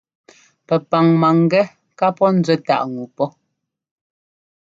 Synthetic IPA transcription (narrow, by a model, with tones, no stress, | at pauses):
pɛ˨pa˨ŋma˨ŋ̩˦ɡɛ˦ | ka˦pɔ˦n̩˦d͡zɛ˦ta̰˨ʔŋu˨pɔ˦